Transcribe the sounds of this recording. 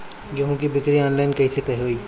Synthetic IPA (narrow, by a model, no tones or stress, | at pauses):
jɐɦõkibɪkɾiɔːnlaːɪnkɐɦisekɐɦeɦoːiː